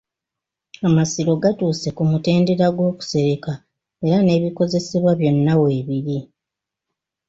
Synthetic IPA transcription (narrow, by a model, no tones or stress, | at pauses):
amasiɾo̞ɡatuːse̞kumute̞ːnde̞ɾaɡwo̞ːku̥se̞ɾe̞ka | e̞ɾane̞βiko̞ze̞se̞βwaβjo̞nːawe̞ːβiɾi